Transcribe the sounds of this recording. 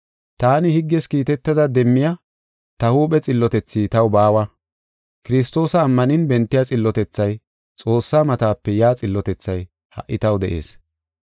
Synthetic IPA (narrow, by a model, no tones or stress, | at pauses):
t̪aːnɪhɪɡːɛskiːt̪ɛt̪ːɐd̪ɐd̪ɛmːɪjɐ | t̪ɐhuːpɛt͡sʼɪlːɔt̪ɛt͡sːiːt̪ɐwbaːwɐ | kɪɾɪs̬t̪o̞ːsɐːmːɐnɪnbɛnt̪ːɪjat͡sʼɪlːɔt̪ɛt͡sːɐj | t͡sʼo̞ːsːaːmɐt̪aːpːɛjaːt͡sʼɪlːɔt̪ɛt͡sːɐj | hɐ̰ʔːɪt̪ɐwd̪ɛʔe̞̰ːs